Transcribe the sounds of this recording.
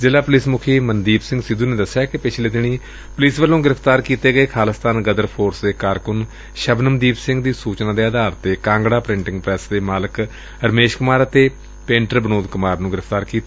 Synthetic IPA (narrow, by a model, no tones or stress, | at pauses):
zɪlaːpʊliːsmʊkʰiːmənd̪iːbsɪ̃ŋɡsɪd̪uːneːd̪əsːjaːkɪpɪt͡ʃʰleːd̪ɪɽ̃iː | pʊliːsʋəlːõːɡɪɾəfʰt̪aːɾkiːt̪eːɡəeːkʰaːləst̪ʰaːnɡəd̪əɾpʰoːɾsd̪eːkaːɾkʊn | ʃəbnəmd̪iːbsɪ̃ŋɡd̪iːsuːt͡ʃnãːd̪eːəd̪aːɾt̪eːkãːŋɡɽaːpɾɪ̃ɳʈɪŋɡ̚pɾɛːsd̪eːmaːlək | əɾəmeːʃkʊmaːɾət̪eː | pẽːɳʈəɾbənoːd̪kʊmaːɾnũːɡɪɾəpʰt̪aːɾkiːt̪ː